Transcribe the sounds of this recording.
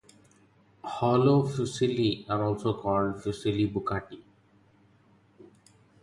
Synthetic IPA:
hɔlofusiliaɾɔlsokɔlɖfusilibukaʈi

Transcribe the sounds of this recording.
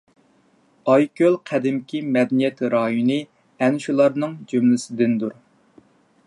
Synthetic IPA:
ɑjkʲølˠqʰæd̪ɪmkʲʰimɛd̪ɛnijɛt̪ɾɑːjunɨ | ɛnʃulˠɑɾnɨŋd͡ʒymlɪsɪd̪ɪnd̪uɾ

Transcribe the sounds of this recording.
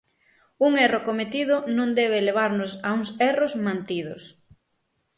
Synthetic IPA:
uŋɛrokomet̪iðʊnõŋd̪ɛβ̞eleβ̞aɾnʊsauŋsɛrozmãnt̪iðʊ̰s

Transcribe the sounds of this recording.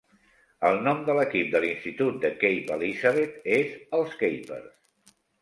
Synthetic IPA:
əlˠnɔmd̪ələkip̚d̪əlinst̪it̪ut̪̚d̪əkejpəlizaβet̪ezəlˠskejpə̰ɾs

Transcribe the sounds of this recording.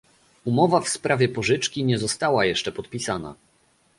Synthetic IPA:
umɔvafspɾʔavʲjɛpɔʐɘt͡ʂkʲiɲɛzɔst̪awajɛʂt͡ʂɛpɔt̪pʲisana̰

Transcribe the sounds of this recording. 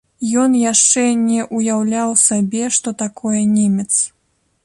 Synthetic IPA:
jɔnjaʂt͡ʂɛnʲɛʔujawlʲawsabʲɛʂt̪ɔt̪akɔjɛnʲemʲɛt̪s

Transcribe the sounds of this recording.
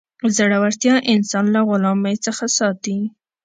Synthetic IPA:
zəɽawaɾt̪jɑʔɪnsɑnlaɣʊlɑmajt͡səxasɑt̪i

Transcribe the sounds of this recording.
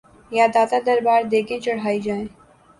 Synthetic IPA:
jaːd̪aːt̪ad̪ɐɾbaːɾd̪eːkẽt͡ʃɐɽ̤aːid͡ʒaːẽː

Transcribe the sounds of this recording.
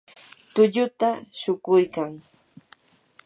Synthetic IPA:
t̪ʊʎʊt̪aʃʊkʊjkaŋ

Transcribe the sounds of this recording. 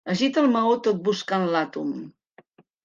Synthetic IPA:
əʒit̪əlˠməot̪ot̪̚buskanlat̪um

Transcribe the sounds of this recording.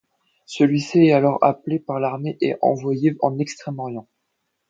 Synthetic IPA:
səlɥisiɛt̪alɔʁa̰plepaʁlaʁmeʔɛʔɑ̰̃vwajeɑ̰̃nɛkst̪χɛmɔʁjɑ̃

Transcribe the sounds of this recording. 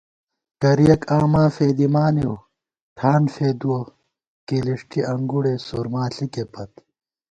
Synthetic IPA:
kɐɾijɐkaːmaːfeːd̪imaːnew | ʈʰaːnfeːd̪uwo | keliʂʈʰiʔɐŋɡuɽesoːɾmaːɬikepɐt̪

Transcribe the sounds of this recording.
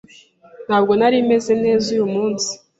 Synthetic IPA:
n̥haːb̚ɡo̞naɾime̞ze̞ne̞ːzujumuːnsi̥

